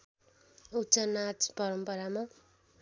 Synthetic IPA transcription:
ut͡sʌnat͡spʌɾʌmpʌɾama

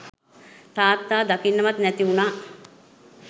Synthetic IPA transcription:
t̪aːt̪ːaːd̪akinːəʋat̪nɛt̪iunaː

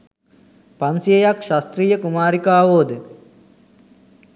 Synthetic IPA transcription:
pansijejakʃast̪ɾiːjəkumaːɾikaːʋoːd̪ə

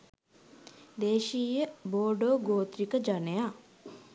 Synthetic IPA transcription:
d̪eːʃiːjəboːɖoːɡoːt̪ɾikəd͡ʒaneja

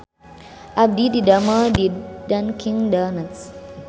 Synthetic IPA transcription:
ʔab̚dididamədidãnkʰĩŋdanəts

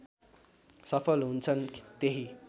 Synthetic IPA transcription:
sʌpʰʌlɦunt͡sʰʌnt̪eɦi

